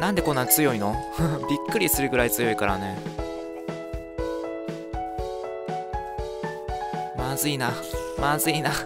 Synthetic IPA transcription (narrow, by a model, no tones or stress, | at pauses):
nãnd̪e̞kõ̞nːat͡sɨjo̞ino̞bʲikːɯ̟ɾʲisɨɾɯ̟ɡɯ̟ɾait͡sɨjo̞ikaɾa̰ne̞ | mazɨina | mazɨina